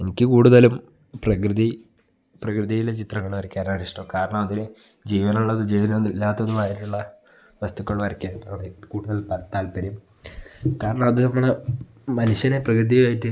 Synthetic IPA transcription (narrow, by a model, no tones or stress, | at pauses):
e̞nikʲːɨkuːɽuðɐlum | prɐkrɨði | prɐkrɨðijilet͡ɕit̪rɐŋːɐɭuʋɐɾɐkʲːaːnaɽiʂʈɐmkaːɾɐɳɐmɐðine | d͡ʑiːʋɐnɐuɭːɐðɨd͡ʑiːʋiðɐilːaːt̪ːɐðumaːjiʈːuɭːɐ | ʋɐst̪ukːoɭuʋɐɾɐkʲːaːnɐɽekuːɽuðɐlpɐt̪ːaːlpɐɾum | kaːɾɐɳɐmɐðɨnɐmːɐɭe | mɐnuɕɐneprɐkrɨðijaːjiʈːɨ